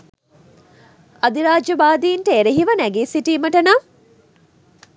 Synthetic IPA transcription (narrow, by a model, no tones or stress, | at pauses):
ɐd̪iɾaːd͡ʒjɐbaːd̪iːnʈəeɾeɦiʋɐnæɡeːsiʈiːməʈɐna